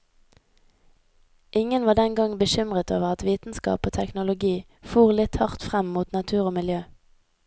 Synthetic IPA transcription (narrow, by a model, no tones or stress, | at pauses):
ʔɪŋənʋɑːd̪ɛnɡɑŋbəʃʏmʁət̪o̰ːʋəʁɑt̪ʋiːt̪n̩skɑ̰ːpoːt̪ʰɛknʊlʊɡiː | fuːʁlɪt̪hɑʁt̪fʁɛmmuːt̪nɑt̪ʰʉːʁoːmɪljøː